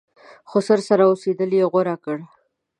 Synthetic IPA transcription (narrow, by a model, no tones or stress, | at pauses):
xosəɾsaɾaosed̪əljeɣoɾakəɽ